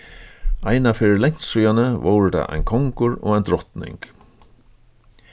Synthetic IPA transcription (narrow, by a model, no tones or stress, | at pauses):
ajnafɪɾɪlɛɲ̥suːjanəvowɾəd̪a̰ʔa̰jnkʰɔŋkʊɾɔ̰ːajnd̪ɾɔht̪nɪ̰ŋk